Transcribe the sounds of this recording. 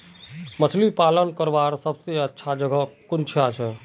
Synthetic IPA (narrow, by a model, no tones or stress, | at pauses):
mət̪ʰlipalənkəɾbaɾsəbseətːʃʰad͡ʒəɡʱəkunt͡ʃʰat͡ʃʰɛ